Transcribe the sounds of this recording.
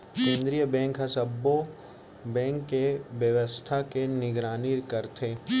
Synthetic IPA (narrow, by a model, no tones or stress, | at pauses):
kẽːnd̪ɾijəbɛ̃ːŋkɦɐsəbo | bɛ̃ːŋkːeʋjəʋəst̪ʰakenɪɡɾaːniːɾkɐɾt̪ʰeː